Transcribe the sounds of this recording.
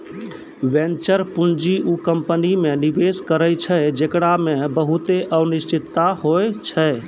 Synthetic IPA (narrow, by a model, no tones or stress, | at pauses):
ʋent͡ʃəɾpund͡ʒiʔukəmpənimenibeskəɾəjt͡ʃʰəjd͡ʒekɽamebəɦut̪eʔəbnist͡ʃit̪ːaɦojt͡ʃʰəe